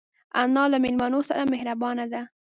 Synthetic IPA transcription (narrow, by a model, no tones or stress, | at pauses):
anɑlamɪlmɑnosa̰ɾamɪhɾabɑnad̪a